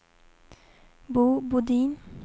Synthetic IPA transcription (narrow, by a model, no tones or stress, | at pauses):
bubud̪in